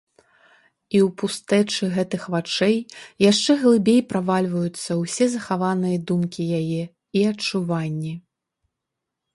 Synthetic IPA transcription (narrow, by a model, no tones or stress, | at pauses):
iwpust̪ɛt͡ʂɨɣɛt̪ɨxvat͡ʂɛjjaʂt͡ʂɛɣlˠɨbʲejpɾavalʲvɐjut̪sːɐwsʲɛzɐxavanɨjɐd̪umkʲijajɛ | iɐt͡ʂuvanʲːi